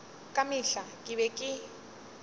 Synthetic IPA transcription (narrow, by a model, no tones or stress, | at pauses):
kʼamiɬakʼiβɛkʼɪ